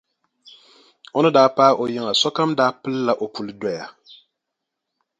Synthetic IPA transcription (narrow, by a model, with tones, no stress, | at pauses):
o˦nɨ˦daː˦paː˦ʔo˨jɪ˦ŋa˨sɔ˦ka˦mdaː˦pɨ˦lːa˨ʔo˨pu˨lɨ˦dɔ˦ja˨